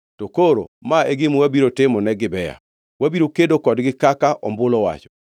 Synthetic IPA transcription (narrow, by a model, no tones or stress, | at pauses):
tokoɾo̰maeɡɪmuwabiɾotɪmɔnɛɡɪbɛja̰ | wabiɾokedokɔdɡɪkakaʔɔmbʊlɔwa̰t͡ʃɔ̥